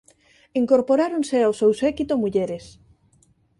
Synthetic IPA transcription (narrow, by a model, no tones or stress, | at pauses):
iŋkoɾpoɾaɾonseawsewsɛkit̪omuʎeɾes